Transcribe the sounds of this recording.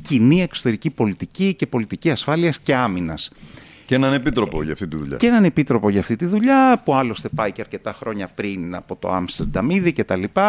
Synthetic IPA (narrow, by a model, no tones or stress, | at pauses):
cinie̞kso̞t̪e̞ɾicipo̞lit̪icice̞po̞lit̪iciɐsfɐliɐsce̞ɐminɐs | cenɐne̞pit̪ɾo̞po̰ʝɐ̰ft̪it̪iðṵʎɐ̰enɐne̞pit̪ɾo̞po̞ʝɐːft̪it̪iðuʎɐpuɐlo̞st̪e̞pɐiceɐɾce̞t̪ɐxɾo̞ɲɐpɾinɐ̰po̞t̪o̞̰ɐ̰mst̪ɾɐd̪ɐmiðice̞t̪ɐlipɐ